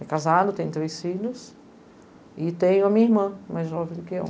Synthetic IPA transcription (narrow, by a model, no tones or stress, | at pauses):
ɛkazad̪ʊt̪ẽt̪ɾejsfĩʎʊs | ɪt̪ẽj̃ʊɐmĩɲiɾmɐ̃majzʒɔvẽj̃d̪ʊkɪḛw